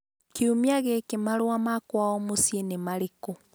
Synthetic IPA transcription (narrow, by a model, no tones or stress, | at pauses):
kiumjaɣekemaɾwamakwaɔmosjenemaɾeko